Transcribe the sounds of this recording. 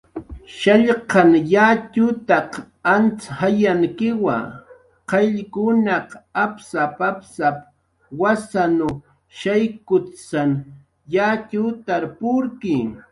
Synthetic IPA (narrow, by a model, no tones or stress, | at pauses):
ʃaʎqɑŋjat͡ʃʊt̪ɑq | ant͡shajaŋkɪwa̰ | qeʎkʊnɑqapsapapsap | wasanʊ | ʃajkʊsaŋ | jat͡ʃʊt̪aɾpʊɾkɪŋ